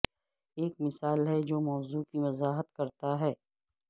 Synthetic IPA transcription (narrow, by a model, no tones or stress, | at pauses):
eːk̚mɪsaːlɦɛd͡ʒoːmɔːzuːkiʋɐzaːɦət̪kɐɾt̪aɦɛː